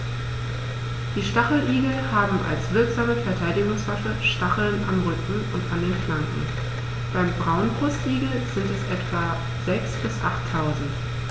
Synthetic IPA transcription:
d̥iːʃtaχl̩ʔiːɡl̩haːbm̩ʔa̰lsv̥ɪɐkz̥aːməfɛɐtʰaɪdɪɡʊŋsv̥aʃəʃtaχl̩nʔamʁʏkŋ̩ʊ̰ntandeːnflantn̩ | b̥aɪmbʁaʊnbʁʊstʔiːɡl̩z̥ɪntɛsʔɛtv̥a | z̥ɛksb̥ɪsʔaχtʰːaʊzn̩t

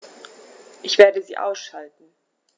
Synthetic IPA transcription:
ʔɪçv̥eːɐdəzḭːʔa̰ʊsʃaltn̩

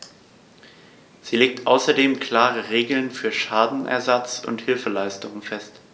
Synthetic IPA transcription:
z̥iːleːk̚tʔaʊsɐdeːmkʰl̥aːʁəʁeːɡl̩nfyːɐʃaːdn̩ʔɛ̰ɐzat͡sʊ̰nthɪlfəlaɪstʊŋənfɛst

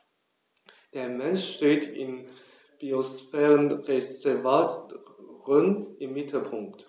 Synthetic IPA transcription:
d̥eːɐmɛnʃʃteːtʰɪ̰n | b̥iosfɛːʁənʁezɛvaːtʁənɪmːɪtʰl̩pʰʊŋkt

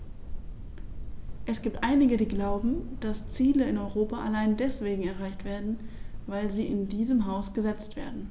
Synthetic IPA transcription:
ʔɛsɡ̥iːp̚tʔaɪnɪɡədiːɡlaʊbm̩d̥ast͡siːləɪnɔʏʁoːpaʔalaɪndɛsv̥eːɡŋ̩ɛɐʁ̞aɪçtv̥eːɐdn̩vaɪlziːʔɪndiːzəmɦaʊsɡ̥əzɛt͡stv̥ḛːɐdn̩

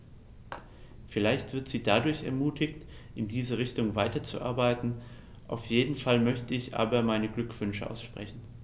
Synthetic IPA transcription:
fɪlaɪçtv̥ɪɐtz̥iːdadʊɐçɛ̰ɐmuːtɪçt | ʔɪndiːzəʁ̞ɪçtʊŋvaɪtɐt͡sṵʔa̰ɐbaɪtn̩ | ʔa̰ʊfjeːdn̩falmœçtəɪçʔa̰ːbɐmaɪnəɡlʏkv̥ʏnʃəʔa̰ʊsʃpʁ̥ɛçn̩

